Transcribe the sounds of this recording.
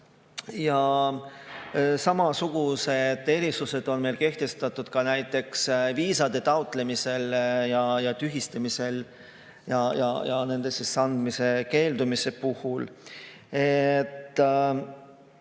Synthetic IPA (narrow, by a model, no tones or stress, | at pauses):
jɑ | sɑmɑsuɡ̥use̞d̪̥e̞ɾisuse̞d̪̥o̞nme̞jlke̞ht̪e̞st̪ɑt̪ːˑud̪̥kɑnæjt̪ːˑe̞ksviːsɑd̪̥e̞t̪ɑwt̪ˑle̞mise̞ljɑjɑt̪yɦist̪ɑmise̞l | jɑjɑ̰jɑne̞nd̪e̞sisːɑnd̪mise̞ke̞ːld̪umise̞puhul | et̪ː